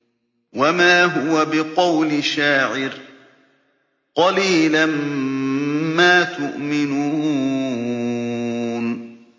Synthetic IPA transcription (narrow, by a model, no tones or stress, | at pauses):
wamaːɦʊwabɪqɑwlɪʃaːʕɪɾ | qɑliːlam | maːt̪ʊʔmɪnuː | n